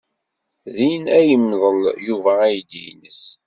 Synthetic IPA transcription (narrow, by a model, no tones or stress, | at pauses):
ðinæjəmːðˤəljuvææjd̪ḭnəs